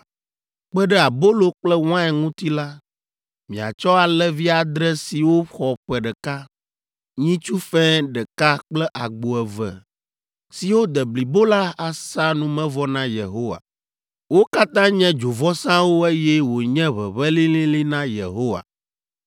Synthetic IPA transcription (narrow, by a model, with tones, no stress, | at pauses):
k͡pɛ˦ɖɛ˦a˨bo˦lo˦k͡plɛ˦w̃ã˦ɛ˨ŋũ˦t̪i˦la˦ | mĩ˨a̰˨t͡ʃɔ˦a˨lɛ˦vi˦a˨d̪ɾɛ˦si˨wo˦xɔ˨ɸɛ˨ɖɛ˨ka˦ | ɲĩ˦t͡ʃu˦fɛ̃˦ɖɛ˨ka˦k͡plɛ˦ʔa˨ɡ͡bo˨ɛ˨vɛ̰˨ | si˨wo˦d̪ɛ˨bli˨bo˦la˦a˨sa˦nũ˦mɛ̃˦vɔ˦nã˦je˨ɦo˦wa̰˨ | wo˦ka˦t̪ã˦ɲɛ̃˦d͡ʒo˨vɔ˦sã˦wo˦e˦jɛ˦wo˨ɲɛ̃˦βɛ̰˨βɛ˦lĩ˦lĩ˦li˦nã˦jḛ˨ɦo˦wa̰˨